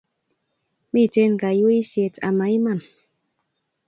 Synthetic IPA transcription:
mi˦˨te˦n˨ka˨jo˦i˦sje˨tʰa̰˨ma˨˦i˦ma˦˨n

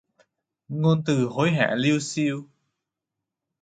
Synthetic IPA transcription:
ŋo˧nt̪ɨ˨˩ɦo˨˦jɦa̰ː˧˨li˧əwsi˧əw

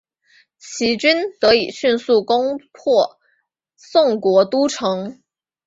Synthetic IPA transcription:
t͡ɕʰi˧˥t͡ɕy˥nt̪ɤ˧˥i˨˩ɕy˥˧nsu˥˩kʊ˥ŋpʰɔ˥˩ | sʊ˥˩ŋkwɔ˧˥t̪u˥ʈ͡ʂʰɤ˧˥ŋ

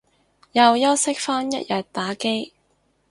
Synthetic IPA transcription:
jɐ˨wjɐ˥wsɪ˥k̚faː˥njɐ˦˥t̚jɐ˨t̚t̪aː˨˥ke˥j

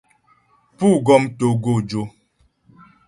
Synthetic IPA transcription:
pu˦˨ɡɔ˦mto˨ɡo˦˨d͡ʒo˦

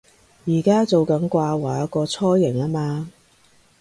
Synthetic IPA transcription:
jiː˨˩kaː˥t͡so˨wkɐ˨˥nkʷaː˧waː˨˥kɔː˧t͡sʰɔː˥jɪ˨˩ŋlaː˥maː˧

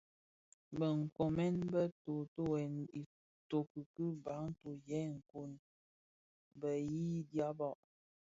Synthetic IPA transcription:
bə˨ŋ̩˨ko˨mɛ˦nbə˦to˨to˦wɛ˨ni˨ | to˨kə˨kɨ˦ba˨˦ŋ˦to˨jɛ˨˦ŋ̩˨ku˨n | bə˨ji˦dja˦bɔ˦˨ʔ

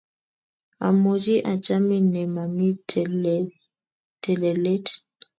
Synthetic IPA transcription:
a̰˨mo˨d͡ʒi˦ʔa˨t͡ʃa˦mi˦nɛ˨ma˨mi˦ | tʰɛ˨lɛ˨lɛ˦t

